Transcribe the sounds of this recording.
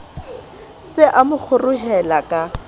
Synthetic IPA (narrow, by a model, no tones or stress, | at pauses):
sɪʔamʊk͡xʰʊrʊɦɛlakʼa